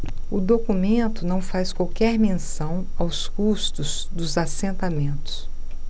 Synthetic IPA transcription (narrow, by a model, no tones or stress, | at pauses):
ʊd̪okumẽnt̪ʊnɐ̃w̃faskwawkɛɾmẽsɐ̃w̃awskust̪ʊz | d̪ʊzasẽnt̪amẽnt̪ʊ̥s